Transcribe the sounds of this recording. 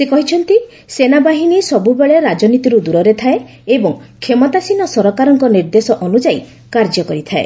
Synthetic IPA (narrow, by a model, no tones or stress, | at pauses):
sekɔɦit͡ʃʰɔnt̪i | senabaɦinisɔbubeɭeɾad͡ʒɔnit̪iɾud̪uɾɔɾet̪ʰae | ebɔŋkʰemɔt̪asinɔsɔɾɔkaɾɔŋkɔniɾd̪esɔʔɔnud͡ʒai | kaɾd͡ʒɔkɔɾit̪ʰae